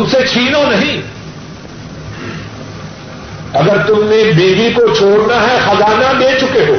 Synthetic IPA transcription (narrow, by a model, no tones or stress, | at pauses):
ʊmset͡ʃʰiːnonɐɦĩ | ɐɡəɾt̪ʊmnebiːʋikot͡ʃʰoːɽnaɦɛxɐzaːnabeːt͡ʃʊkeɦoː